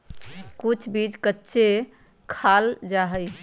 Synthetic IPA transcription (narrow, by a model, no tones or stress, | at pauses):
kut͡ʃʰbid͡ʒkətːʃʰe | kʰald͡ʒaɦəj